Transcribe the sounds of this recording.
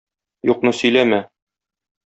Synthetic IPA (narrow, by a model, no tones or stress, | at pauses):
juqnɤsɵ̆jlæmæ